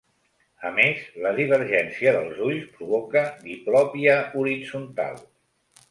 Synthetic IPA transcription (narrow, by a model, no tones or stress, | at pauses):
əmezləðiβ̞əɾʒɛnsiəðəlˠzuʎspɾuβɔkəd̪iplɔpiəuɾid͡zunt̪a̰lˠ